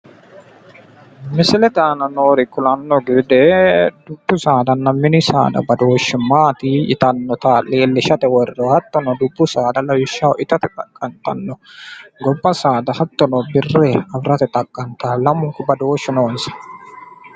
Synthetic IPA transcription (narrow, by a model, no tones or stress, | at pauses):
mɪsɪlɛt̪aːnɐnoːɾɪkʊlɐnːɔɡɪd̪ɛd̪ʊbːʊsaːd̪ɐnːɐmːɪnɪsa̰ːd̪ɐ̰bɐd̪oːʃːɛmaːt̪iɪ̰t̪ɐnːɔt̪aleːlːɪʃɐt̪ɛwɔrːɔhɐt̪ːɔnɔd̪ʊbːʊsaːd̪ɐlɐwɪʃːɐʔɪt̪ɐt̪ɛt̪ʼɐkʼːɐnt̪ɐ̰nːɔɡɔbːɐsaːd̪ɐhɐt̪ːɔnɔbɪrːeɐbɾɐt̪ɛt̪ʼɐkʼːɐnt̪alɐmʊŋkʊbɐd̪oːʃːɛnoːnsɐ̥